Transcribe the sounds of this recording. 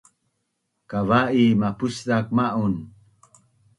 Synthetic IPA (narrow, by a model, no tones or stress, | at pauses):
kavaʔimapusdak̚maʔun